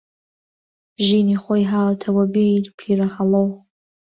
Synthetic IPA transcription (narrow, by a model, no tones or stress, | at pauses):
ʒiːniχʷojɦaːltʰɐwɐbilpʰiraħalow